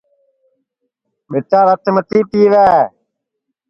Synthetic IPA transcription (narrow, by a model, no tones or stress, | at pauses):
ɓɪʈaːɾət̪ʰmət̪iːpiːʋɛː